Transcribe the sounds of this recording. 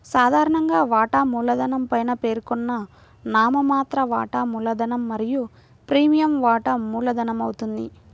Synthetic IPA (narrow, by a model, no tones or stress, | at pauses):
saːd̪ʱaːɾɐɳɐŋɡaːʋaːʈɐmuːlɐd̪ɐnɐmpɐjnɐpe̞ːɾkɔnːɐ | naːmɐmaːt̪ɾɐʋa̰ːʈɐmuːlɐd̪ɐnɐmːɐɾiju | pɾiːmijɐmʋaːʈɐmuːlɐd̪ɐnɐmɐwut̪und̪ḭ